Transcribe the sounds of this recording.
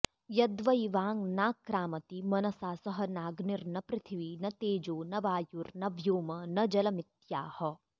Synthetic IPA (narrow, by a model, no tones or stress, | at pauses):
jɐd̪ʋɐiʋaːŋnaːkɾaːmɐt̪imɐnɐsaːsɐɦɐnaːɡniɾnɐpɾɪt̪ʰiʋinɐt̪eːd͡ʒoːnɐʋaːjuɾnɐbʱjoːmɐnɐd͡ʒɐlɐmit̪jaːhɐ̆